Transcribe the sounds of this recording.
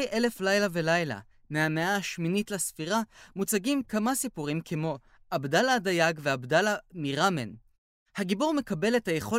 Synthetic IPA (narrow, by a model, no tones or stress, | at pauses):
jʔe̞le̞flajlave̞lajla̰ | meameaʃminitlasfiʁamut͡saɡimkamasipuʁimkʰemo̞ | ʔabdaladajaɡveabdalamiʁamḛn | haɡibuʁme̞kabe̞lethaje̞χo̞